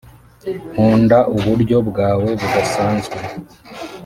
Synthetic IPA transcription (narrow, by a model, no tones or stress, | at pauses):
huːndaʔuβuɾɟo̞bɡaːwe̞βuɡasaːnzɡe